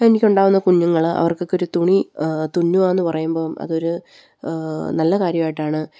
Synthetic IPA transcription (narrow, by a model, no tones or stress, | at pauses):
enikʲːuɳɖaːʋunːɐkuɲːuŋːɐɭɐ̰ʋɐrkokːo̞ɾut̪uɳit̪uɲːuaːenːɨpɐrɐjumbo̞ːmʔɐ̰ðo̞ɾu | nɐlːɐkaːɾjɐmaːjiʈːaːɳɨ